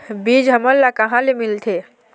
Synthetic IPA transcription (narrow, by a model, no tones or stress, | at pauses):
biːd͡ʒɦəməllːakəɦãlemilt̪ʰe